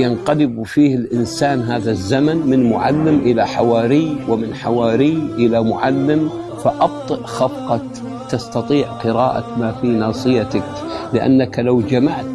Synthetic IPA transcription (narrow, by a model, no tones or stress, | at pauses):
janqɑlɪbfiːhɪlʔɪnsaːnɦaːðazːamanmɪnmʊ̰ʕa̰lːɪmʔɪlaħawaːɾɪjwɪmɪnħawaːɾɪjʔɪlamʊʕalːɪm | faʔɑb̚t̪ˤɨʔxɑfqɑk | t̪ɑst̪ɑt̪ˤiːʕqɨɾaːʔa̰kmaːfiːnɑːsˤɨjat̪ak | lɪʔa̰nːaklawd͡ʒamaʕt̪